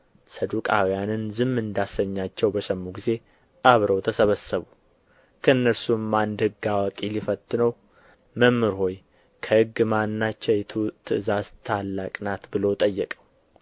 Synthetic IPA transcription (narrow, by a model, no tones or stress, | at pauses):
səd̪ukʼawijanɨnzɨmːɨnd̪asəɲːat͡ʃːɛwbəʃəmːuɡize̞ | ʔaβɾəwt̪ʰəsəβəsːəβu | kʰəɨnːəɾsumːand̪hɨɡːawakʼilifət̪ʼːɨnəw | məmːɨɾho̞j | kʰəhɨɡːɨmanːat͡ʃːɛjt̪ʰut̪ʰɨɨzazt̪ʰalːakʼnat̪bɨlo̞t̪ʼəjːɛkʼəw